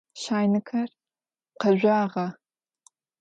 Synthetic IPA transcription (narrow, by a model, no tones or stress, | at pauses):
ʃaːjnɨkʰɐr | qɐʑʷaːʁɐ